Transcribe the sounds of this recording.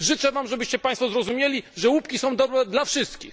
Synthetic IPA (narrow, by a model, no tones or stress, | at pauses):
ʐɘt͡ʂɛvamʐɛbɘɕt͡ɕɛpaj̃st̪fɔzɾɔzumʲjelʲiʐɛwupkʲisɔ̃w̃d̪ɔbɾɛd̪lafʂɘst̪kʲix